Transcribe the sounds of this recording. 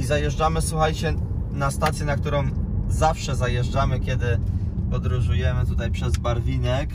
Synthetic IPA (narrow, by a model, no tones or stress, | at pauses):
izajɛʐd͡ʐamɘswuxajt͡ɕɛ | nast̪at̪sʲjɛnakt̪uɾɔ̃w̃zafʂɛzajɛʐd͡ʐamɘkʲɛd̪ɘpɔd̪ɾuʐujɛmɘt̪ut̪ajpʂɛzbaɾvʲinɛk